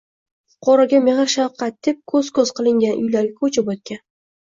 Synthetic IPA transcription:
qʰɒɾaɡʲameʁɨɾʃawqʰɑt̪̚d̪ep̚kʰɵzkʰɵzqɨlˠɪŋɡʲanʔʊ̰jlaɾɡʲakʰɵt͡ʃʰɪbɒt̪̚kʲan

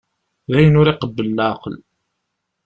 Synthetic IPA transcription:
ðæjənʊɾiqəbːəlːaql

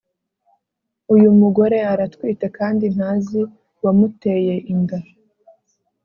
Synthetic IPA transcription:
ujumuɡo̞ɾe̞aɾatkwiːtekaːndin̥hazi | wamute̞je̞ʔiŋɡa

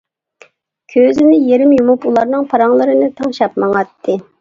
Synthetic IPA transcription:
kʲʰøzɪnɪjeɾɪmjumupulˠɑɾnɨŋpʰɑɾɑŋlˠɨɾɨnɨt̪ʰɑŋʃɑp̚mɑŋɑt̪ʰːɨ

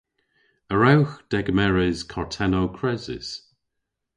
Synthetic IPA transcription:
əɹawxd̥ɛɡəmɛɹɪzkʰɔɹtʰɛnowkʰɹɛzɪ̰s

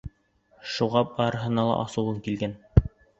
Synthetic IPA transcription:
ʃuʁɑp̚ɑɾɤ̆ɦɤ̆nɑlˠɑ̰ʔɑsɤ̆wɤŋkilɡæn

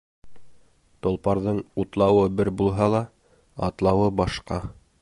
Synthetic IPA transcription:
t̪ŏlˠpɑɾðɤɴut̪lˠɑwɤbɘɾbulˠɦɑlˠɑ | ɑ̰t̪lˠɑwɤbɑʃqɑ

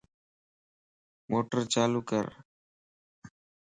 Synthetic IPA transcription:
mʔoːʈəɾt͡ʃaːluːkə̰ɾ

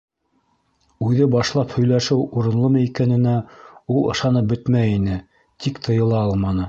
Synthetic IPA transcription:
ʉðɘbɑʃlˠɑphɵ̆jlæʃɘwuɾɤ̆nlˠɤmɤikænɘ̆næulˠɤ̰̆ʃɑnɤp̚bɵt̪mæjinɘ | t̪ikt̪ʰɤ̆jɤ̆lˠɑɑlˠmɑnɤ

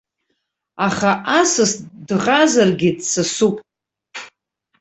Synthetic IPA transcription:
aχaʔasɨsdʁazarɡʲɪdsasupʼ

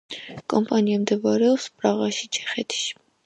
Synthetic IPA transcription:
kʼɔmpɑnjɛmd̪əvɑɾɔwspɾɑʁɑʃit͡ʃʰɛχɛt̪ʰi̥ʃ

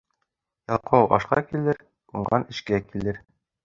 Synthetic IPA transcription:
jɑlˠqʰɤwʔɑ̰ʃqɑ̰kilɘɾ | uɴɢɑnɘ̆ʃkækilɘɾ

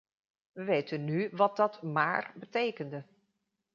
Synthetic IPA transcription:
ʋəʋejtənːyʋɑd̚dɑtma̰ːrbətejkəndə

